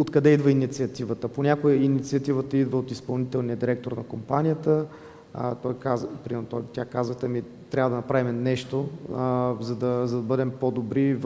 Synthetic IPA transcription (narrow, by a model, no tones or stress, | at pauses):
ot̪kɐd̪ɛid̪vəinit̪siɐt̪ivət̪əponʲakoɛinit̪siɐt̪ivət̪əid̪vəot̪ispɐlˠnit̪ɛlˠnijəd̪iɾɛk̚t̪oɾnɐkompanʲijət̪ə | t̪ɔjkazpɾimɛɾnot̪ɔjt̪ʲakazvət̪ɛmi | t̪ɾavəd̪ɐnɐpɾavimɛnɛʃt̪o | zɐd̪ɐzɐd̪ɐbɤd̪ɛmpod̪obɾiv